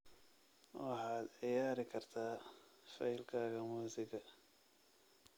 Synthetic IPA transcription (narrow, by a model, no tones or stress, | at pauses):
wɑħɑːd̪ʕɪjaːɾɪkʰɐrt̪ʰaːfɐɪlkʰaːɣɐmuːsɪɡɐ